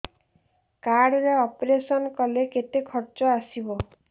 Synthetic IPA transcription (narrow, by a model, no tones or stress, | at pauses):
kaɽɔɾeɔpɾesɔnkɔleket̪ekʰɔɾt͡ʃɔasibɔ